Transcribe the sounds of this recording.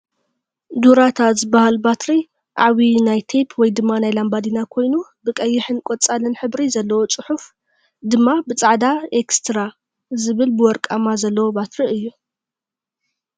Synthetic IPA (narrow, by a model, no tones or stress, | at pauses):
d̪uɾat̪ʰat̪zɨbahalbat̪ɾi | ʔʕaβinajt̪ʰepʰwɔjd̪ɨmːanajlambad̪inakʰo̞jnubɨkʼɐjːɪħɨnkʼot͡sʼalɨnħɨbɾizɐlːɐwo̞t͡sʼɨħuf | d̪ɨmːabɨt͡sʼaʕd̪aekst̪ʰɾa | zɨβɨlbɨwɔɾkʼamazɐlːɐwobat̪ɾiɨjːu